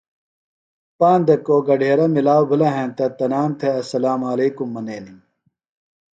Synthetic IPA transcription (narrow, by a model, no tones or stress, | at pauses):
paːnd̪ɐkːoːɡɐɖʱeːɾɐmilaːwbʱɐlɐɦẽːnt̪ɐt̪ɐnaːnt̪ʰeɐsɐlaːmaːleːkumːɐneːni